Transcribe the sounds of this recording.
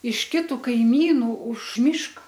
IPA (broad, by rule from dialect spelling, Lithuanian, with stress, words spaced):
ɪʃ ˈkʲɪtʊ kɐɪˈmʲiːnuː ʊʃ ˈmʲɪʃkɐ